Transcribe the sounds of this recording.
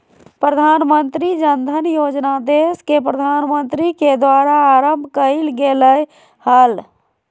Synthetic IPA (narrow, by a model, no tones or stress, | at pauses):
pɾəd̪ʱaːnmənt̪ɾid͡ʒənd̪ʱənjoːd͡ʒnad̪eskepɾəd̪ʱaːnmənt̪ɾiked̪waːɾaːɾəmbʱkəɪlɡeləj | həl